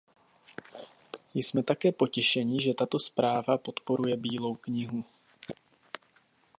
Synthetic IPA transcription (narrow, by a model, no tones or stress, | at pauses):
jsmɛt̪akɛːpo̞cɛʃɛɲɪʒɛt̪at̪o̞spɾaːvapo̞t̪po̞ɾujɛbiːlo̞wkɲɪɦu